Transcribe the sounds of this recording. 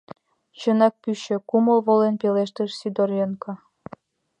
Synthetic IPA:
t͡ɕɤ̆nɑk̚pyɕɘ̆kumɤ̆lˠβolenpeleʃt̪ə̆ʃsyd̪orjɤnkɑ̆

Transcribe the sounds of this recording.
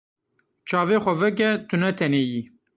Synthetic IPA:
t͡ʃʰɑːveːxʷɐvɛk̬ɛt̪ʰɨnɛt̪ʰɛneːji

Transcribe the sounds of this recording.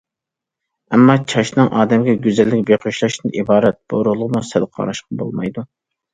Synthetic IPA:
ɛmːɑt͡ʃʰɑʃnɨŋʔɑːd̪ɛmɡʲɛɡʲyzɛlːɪkʲbeqʰøʃlˠɑʃt̪ɨnʔibɑːɾɛt̪̚b̥o̰ɾʊlˠʊʁmusɛlqʰɑ̰ɾɑʃqɑbo̰lˠmɑjd̪u

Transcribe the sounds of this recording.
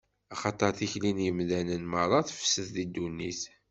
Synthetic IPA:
ɑχɑt̪ˤːɑɾˤθiçlinjəmðænənmɑɾˤɑθfə̥səθðid̪ːunːiθ

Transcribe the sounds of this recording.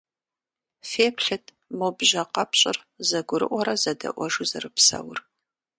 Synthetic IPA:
feːpɬɨtʰ | mobʒɐqɐpɕʼɪ̰r | zɐɡʷʊɾɨ̰ʔʷɔɾɐzɐdɐ̰ʔʷɔʒuzɐrɨpsɐ̰wʊr

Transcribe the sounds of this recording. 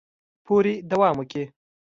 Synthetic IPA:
pʰoɾid̪awɑːməke

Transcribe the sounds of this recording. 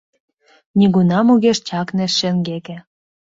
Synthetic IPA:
nʲiɣunɑmuɣeʃt͡ɕɑknĕʃːĕŋɡekĕ

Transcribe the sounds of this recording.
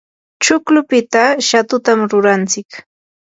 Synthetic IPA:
t͡ʃʊklʊpɪt̪aʃat̪ʊt̪amɾʊɾant͡sɪk

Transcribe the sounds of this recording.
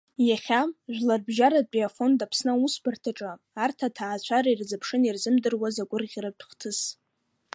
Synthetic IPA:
jaχʲaʒᶣʷlarbʒaɾad̚t͡pʼiafo̞ndapʰsnausbartʰaʈ͡ʂʼaː | rtʰatʰaːt͡ɕʷʰaɾairzapʰʂɨnirzɨmdɨrwazaɡʷʊrʁʲratʰχtʰɨs

